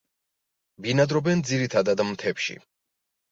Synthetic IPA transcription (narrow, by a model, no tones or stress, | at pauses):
binad̪ɾɔbɛnd̪ziɾit̪ʰad̪ad̪mt̪ʰɛpʃḭ